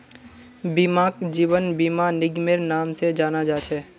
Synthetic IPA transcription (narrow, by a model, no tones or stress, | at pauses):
bimaːkd͡ʒiːʋənbimanɪɡmeɾnaːmsed͡ʒaːnad͡ʒaːt͡ʃʰɛː